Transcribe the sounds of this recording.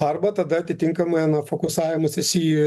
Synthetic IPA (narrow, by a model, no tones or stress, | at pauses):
ɐrbɐt̪ɐd̪ɐɐt̪ʲɪt̪ʲɪŋkɐmɐɪɐnɐfoːkʊsɑːʋʲɪmɐsʲɪsʲiː